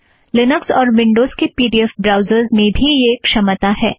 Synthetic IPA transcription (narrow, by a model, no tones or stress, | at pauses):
lɪnəksɔːɾʋɪ̃ɳɖoːzkepiːɖiɛfbɾaːʊzəɾzmẽbʱieːkʃɐmət̪aɦɛː